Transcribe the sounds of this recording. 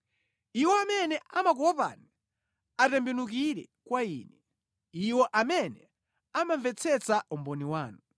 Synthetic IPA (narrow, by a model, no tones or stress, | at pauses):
iwɔamɛnɛamak̬ɔɔpa̰ni | atɛmbɛnuk̬iɾɛkwaḭːnɛ | iwɔʔamɛnɛ | amaɱvɛt͡sʰɛt͡saʔumbɔniwaːnu